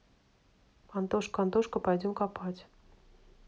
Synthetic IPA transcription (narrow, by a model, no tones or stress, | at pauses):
ɑnt̪oʂkɑnt̪oʂkəpajdʲomkapɑtʲ